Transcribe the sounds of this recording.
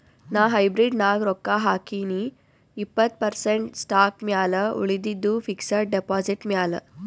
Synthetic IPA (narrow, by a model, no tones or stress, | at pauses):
naɦajbɾiɖnaɡɾokːaɦakini | ipːət̪̚pəɾseɳʈsʈak̚mjaləṵɭid̪id̪ufiksəɾ̚ɖepɔd͡ziʈmʲalə̰